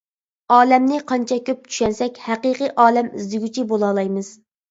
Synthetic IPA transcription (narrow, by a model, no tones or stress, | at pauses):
ɑːlɛmnɪqʰɑnt͡ʃʰɛkʲʰøp̚t͡ʃʰy̥ʃɛnsɛkʲhæqiːqɨʔɑːlɛmizd̪ɪɡʲyt͡ʃʰibolˠɑːlˠɑjmɨz̥